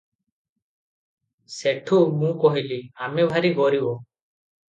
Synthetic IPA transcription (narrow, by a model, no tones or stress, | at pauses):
seʈʰumũkɔɦiliamɛbʱaɾiɡɔɾibɔ